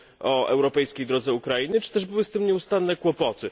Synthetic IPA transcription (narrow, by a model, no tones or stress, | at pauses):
ʔɔɛ̰wɾɔpɛjskʲejd̪ɾɔd̪zɛukɾainɘt͡ʂɘ̥t̪ɛʐbɘwɘst̪ɘmɲɛust̪anːɛkwɔpɔt̪ɘ